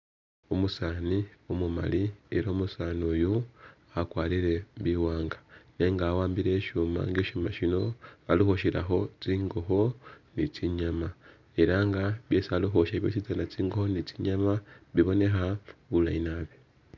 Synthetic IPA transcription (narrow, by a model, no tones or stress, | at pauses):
omusaːniomuma̰lie̞ɾoːmusaːnuju | akwaːliɾe̞βiwaːŋɡḁne̞ŋɡaːwaːmbiɾe̞ːʃuma̰ŋɡeːʃumaʃino̞alixoʃiɾa̰xo̞t͡siːŋɡo̞xo̞nit͡siɲama | e̞ɾaŋɡaβjesaluxoʃaβjoːt͡ʃizanat͡siːŋɡo̞honit͡siɲamaβiβo̞ne̞xaβula̰inaβe